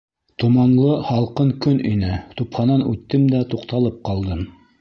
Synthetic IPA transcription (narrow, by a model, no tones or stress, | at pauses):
t̪umɑnlˠɤhɑlˠqɤŋkɵnʔinɘt̪uphɑnɑnʉt̪ːɘmd̪æt̪uqt̪ɑlˠɤp̚qɑlˠd̪ɤm